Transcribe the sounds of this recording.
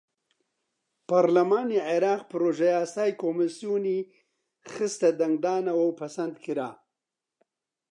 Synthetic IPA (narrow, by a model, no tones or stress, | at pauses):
paɾlamɑniʕɪɾɑːq̚pɾoʒajɑsɑːjkomɪsijuni | xɪst̪ad̪aŋɡɖɑːnawawpasand̪kʰiɾɑː